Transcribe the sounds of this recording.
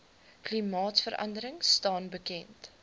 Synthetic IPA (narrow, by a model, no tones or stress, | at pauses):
klimɑːtfəɾʔɐ̰ndəɾəŋstɑːnbəkɛnt